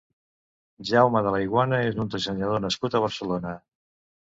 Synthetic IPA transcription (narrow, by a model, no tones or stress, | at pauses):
ʒawməð̞ələjɣwanəezunt̪əʒəɲəð̞onəskut̪əβ̞əɾsəlonə